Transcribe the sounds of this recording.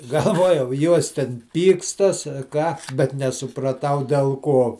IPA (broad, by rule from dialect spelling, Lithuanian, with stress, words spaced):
ɡɐlˠˈʋuɔjɛʊ ˈjuɔs tʲɛn ˈpʲiːkstɐs ɐ ˈkɑː bʲɛt nʲɛsʊprɐˈtɐʊ dʲɛlˠ ˈkoː